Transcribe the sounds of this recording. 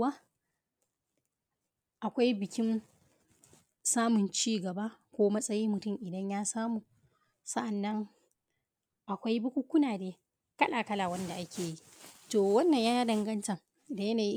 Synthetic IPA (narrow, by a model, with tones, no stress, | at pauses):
wa˦ | ʔa˨kʷa˦jbɪ˨kʲɪ˦n | saː˦mʊ˨nt͡ʃiː˦ɡɐ˨ba˦kʷoː˦mɐ˦sʼɐ˦jiː˦mʊ˨tʊ˦˨mʔɪ˨dɐ˦ɲjaː˦saː˦muː˨ | sɐ˦ʔa˨nːɐ˦ŋ | ʔa˨kʷa˦jbʊ˦kʷu˦kʷʊ˦naː˨deː˦ | kɐ˦ɗaː˨kɐ˦laː˨wɐ˦nda˨ʔa˦kʲʰeː˨ji˦ | toː˨wɐ˦nːɐ˨ɲjaː˦dɐ˨ŋɡɐ˦ntɐ˨ŋ | da˨jɐ˦naː˨ji˦